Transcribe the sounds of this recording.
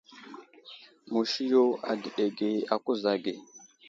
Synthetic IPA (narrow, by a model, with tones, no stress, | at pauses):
mu˨ʃi˦jo˦a̰˨di˨ɗe˨ɡe˨a˨ku˦za˨ɡe˨